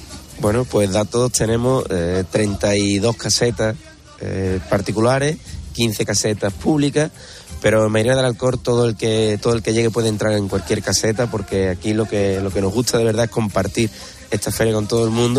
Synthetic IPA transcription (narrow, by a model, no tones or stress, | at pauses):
bwe̞nopwe̞ɦðat̪oðt̪ʰe̞nẽ̞moet̪ɾe̞nt̪aiðo̞hkʰase̞t̪a | ḛpaɾt̪ikulaɾe̞hkin̟θe̞kase̞t̪ahpuβlika | pe̞ɾo̞emajɾeaðe̞lalko̞ɾt̪o̞ðolket̪oðoelke̞jʝe̞ɣe̞pweðent̪ɾaɾe̞ŋkwalkje̞ɾkase̞t̪̬apo̞ɾke̞akilo̞kelo̞ke̞no̞ɦɣut̪ʰaðe̞β̞eɾðae̞hko̞mpaɾt̪iɾ | e̞ht̪ʰafe̞ɾjako̞nt̪o̞ð̞oe̞lmũnd̪o